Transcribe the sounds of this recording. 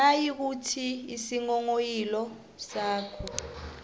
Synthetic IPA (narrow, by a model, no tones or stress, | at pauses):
ajik̬utʰiisiŋɔŋojilɔ | saːkʰɔ